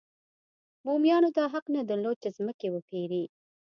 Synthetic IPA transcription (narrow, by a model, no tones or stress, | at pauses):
mumjɑnod̪ɑɦaqnad̪əɾlod̪̚t͡ʃezməkewəpʰeɾi